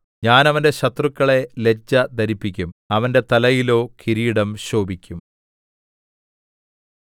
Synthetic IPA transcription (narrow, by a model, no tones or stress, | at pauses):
ɲaːnɐʋɐnde̞ɕɐt̪rukːɐɭe̞le̞d͡ʑːɐd̪ʱɐɾipːikʲːumɐʋɐnde̞t̪ɐlɐjilo̞ːkʰiɾiːɽɐmɕo̞ːbikʲːum